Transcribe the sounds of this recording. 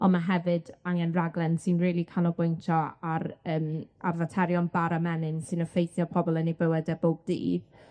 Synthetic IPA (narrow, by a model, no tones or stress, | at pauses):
ɔnmaɦɛvɨdaŋɛnraɡlˠɛnsɨnriːlˠikʰanɔbʊjntʰɔaɾəːma̰rvatʰɛɾjɔnbaɾamɛnɨnsɨnɔfejθjɔpʰɔbɔlˠənibəwɛdəboːb̚dḭːb̥